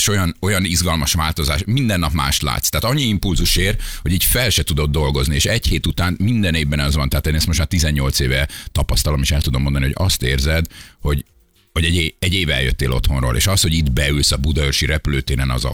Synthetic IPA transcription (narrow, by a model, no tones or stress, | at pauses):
ʃo̞jɒno̞jɒnizɡɒlmɒʃʋaːlt̪o̞zaːʃmind̪ɛnːɒpma̰ːʃt̪la̰ːt̪st̪ɛːt̪ɒɲːiimpulzuʃeːrho̞ɟiːcfɛlʃɛt̪ud̪o̞d̪̚d̪o̞lɡo̞znieːʃɛcheːt̪ut̪aːnmind̪ɛneːvbɛnɒzʋɒnt̪ɛɦːt̪eːnɛst̪mo̞ʃtmaːrt̪izɛɲːo̞lt̪seːvɛt̪ɒpɒst̪ɒlo̞meːʃɛlt̪ud̪omːond̪ɒnihoɟɒst̪eːrzɛd̪ho̞ɟ | ho̞ɟɛɟeːɛɟːeːvɛ̰ljø̰t̪ːḛːlo̞̰t̪ho̞nro̰ːlʔḛːʃɒst̪ho̞ɟid̪bɛylsɒbud̪ɒørʃiɾɛpyløːt̪eːnɛnɒ̰zɒ̰